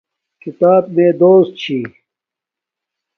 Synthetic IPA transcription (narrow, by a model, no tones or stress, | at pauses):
kit̪aːb̚mẽːd̪oːst̪̚t͡ɕʰiː